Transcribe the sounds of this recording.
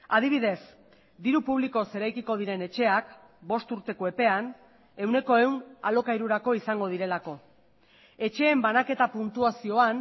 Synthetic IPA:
aðiβ̞iðe̞s | d̪iɾupuβ̞liko̞se̞ɾajkiko̞ð̞iɾe̞ne̞t͡ʃe̞ak | bo̞st̪uɾt̪e̞koe̞pe̞an | e̞wne̞ko̞e̞wna̰lo̞kajɾuɾako̞isaŋɡo̞ð̞iɾe̞lako̞ | e̞t͡ʃe̞ːmbanake̞t̪apunt̪uasio̞an

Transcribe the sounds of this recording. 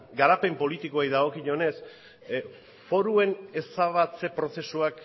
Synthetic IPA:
ɡaɾape̞mpo̞lit̪ikoajðaɣo̞kiɲo̞ne̞s | fo̞ɾue̞ne̞saβat͡se̞pɾo̞se̞suak

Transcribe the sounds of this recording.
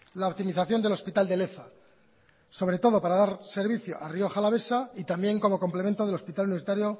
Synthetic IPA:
laop̚t̪imiθaθjo̞nd̪e̞lo̞spit̪ald̪e̞le̞θa | so̞β̞ɾe̞t̪o̞ð̞o̞paɾaðaɾse̞ɾβiθjo̞̰ʔario̞xalaβe̞sait̪ambje̞ŋko̞mo̞ko̞mple̞mẽ̞nt̪oðe̞lo̞spit̪aluniβsit̪aɾjo̞

